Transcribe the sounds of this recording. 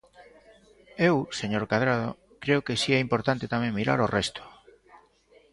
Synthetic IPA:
ewseɲoɾkaðɾað̞o | kɾeokesiɛimpoɾt̪ant̪et̪amẽŋmiɾa̰ɾorʔɛst̪o̥

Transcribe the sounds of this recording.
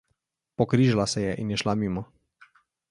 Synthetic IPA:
pɔkɾiʒalasɛjɛʔinjɛʃlamimɔ

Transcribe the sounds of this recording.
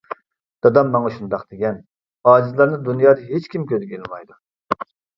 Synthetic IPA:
d̪̥ɑd̪ɑmːɑŋɑʃund̪ɑqd̪eɡʲɛn | ɑːd͡ʒizlˠɑɾnɨd̪unjɑːd̪ɑɦet͡ʃkʲimkʲʰøzɡʲelɪmɑjd̪u

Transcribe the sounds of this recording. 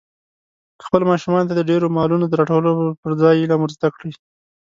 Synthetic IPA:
xpəlmɑʃumɑnt̪ad̪əɖeɾomɑlunod̪əɾɑʈawəlopəɾd͡zɑjlɑməɾzd̪akɽi

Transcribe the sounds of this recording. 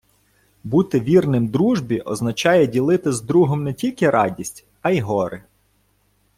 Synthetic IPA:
but̪ɪʋʲirnɪmd̪ɾuʒbʲiʔɔ̰znɐt͡ʃɑjɛdʲilˠɪt̪ɪzd̪ɾuɦɔmnɛtʲilʲkɪɾɑdʲisʲtʲ | ɐiɦɔɾɪ

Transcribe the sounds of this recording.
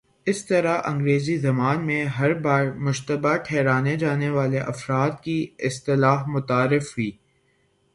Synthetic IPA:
ɪst̪ɐɾaʔɐ̃ŋɡɾeːzizɐmaːnmẽɦɐɾbaːɾmʊʃt̪əbaʈʰɛːɾaːned͡ʒaːneʋaːleʔɐfɾaːd̪kiɪst̪ɪlaːɦmʊt̪aːɾɪfɦuiː

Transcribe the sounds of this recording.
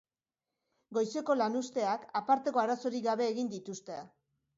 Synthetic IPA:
ɡo̞jse̞ko̞lanust̪e̞akapaɾt̪e̞ko̞aɾaso̞ɾiɡaβ̞e̞ːɣind̪it̪ust̪ea

